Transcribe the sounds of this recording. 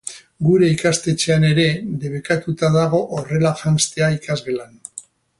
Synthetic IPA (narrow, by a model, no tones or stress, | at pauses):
ɡuɾe̞ikast̪e̞t͡ʃe̞ane̞ɾe̞ðe̞β̞e̞kat̪ut̪aðaɣ̞o̞ʔore̞lafanst̪e̞aikazɣe̞lan